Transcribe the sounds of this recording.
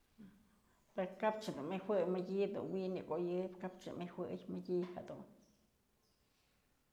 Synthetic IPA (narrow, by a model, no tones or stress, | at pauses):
peɾokap̚t͡ʃad̪unmihwɨjmɨjʲid̪ṵnwiniɡʷojɨpkap̚t͡ʃɨ̰miwʷɨjmɨjʲihad̪ṵn